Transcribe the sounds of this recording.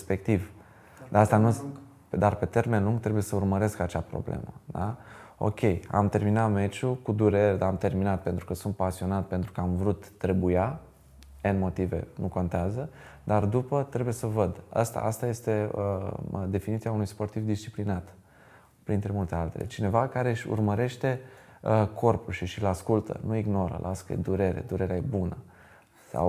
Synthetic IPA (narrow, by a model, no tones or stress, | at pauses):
spe̞k̚t̪iv | d̪aast̪anu | d̪arpe̞t̪e̞rme̞nluŋɡt̪ɾe̞buje̞səurməɾe̞skat͡ʃapɾo̞̰blḛmə̰d̪ao̞̰kʲʰe̞ja̰mt̪e̞rminat̪me̞t͡ʃukud̪uɾe̞ɾd̪aamt̪e̞rminat̪̚pent̪ɾukəsunt̪̚pasio̞nat̪̚pent̪ɾukəamvɾut̪ːɾe̞buja | enmo̞t̪ive̞̰nuko̞nt̪eazə | d̪ard̪upət̪ɾe̞buje̞səvəd̪a̰st̪a̰ʔast̪aje̞st̪e̞əd̪e̞finit̪siaunujspo̞rt̪ivd̪ist͡ʃiplinat̪ | pɾint̪ɾe̞mult̪e̞alt̪e̞̰lʔḛt͡ʃine̞vakaɾe̞ɨʃʲṵrməɾe̞ʃt̪e̞ | əkʰo̞rpulʃiʃilaskult̪ʰə̰nuiɡno̞ɾə̰lʔaskəjḛd̪uɾe̞ɾḛd̪uɾe̞ɾeaje̞bunə | sa̰w